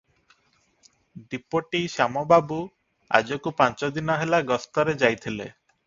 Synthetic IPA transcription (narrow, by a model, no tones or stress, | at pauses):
ɖipoʈiʃamɔbabu | a̰d͡ʒɔkupant͡ʃɔd̪inɔɦelaɡɔst̪ɔɾed͡ʒajt̪ʰilḛ